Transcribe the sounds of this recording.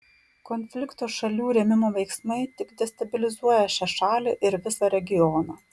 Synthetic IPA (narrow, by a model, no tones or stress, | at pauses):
kɔnʲfʲlʲɪkt̪oːʃɐlʲuːɾʲɛmʲɪmoːʋʲɛɪksmɐɪt̪ʲɪɡd̪ʲɛst̪ɐbʲɪlʲɪzuɔjɛʃʲæʃɑːlʲeʔɪɾʋʲɪsɐɾʲɛɡʲɪjɔnɑː